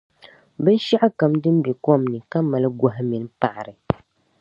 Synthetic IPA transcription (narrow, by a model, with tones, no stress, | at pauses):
bɛ˦ʃi˦ʔa˦ka˨mdɨ˦m˦bi˨kɔ˦˨mnɨ˨ka˦mːa˨lɨ˦ɡɔ˨ɦɪ˦mi˨n˦pa˨ʔa˨ɾɨ˨